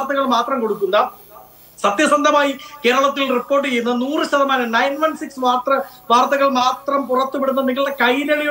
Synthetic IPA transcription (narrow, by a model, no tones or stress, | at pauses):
rt̪ːɐɣɐɭmaːt̪rɐmko̞ɽukːunːɐ | sɐt̪jɐsɐnd̪ʱɐmaːjike̞ːɾɐɭɐt̪ːilripːo̞ːrʈːɨt͡ɕejːunːɐnuːrɨɕɐðɐmaːnɐnɐjnʋɐnsiksʋaːrt̪ɐʋaːrt̪ɐɣɐɭmaːt̪rɐmpurɐt̪ːupeɽunːɐneɡiɭekɐjɾɐɭi